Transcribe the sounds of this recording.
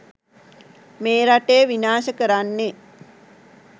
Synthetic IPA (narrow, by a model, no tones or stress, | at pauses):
meːɾaʈeːʋinaːʃəkəɾanːe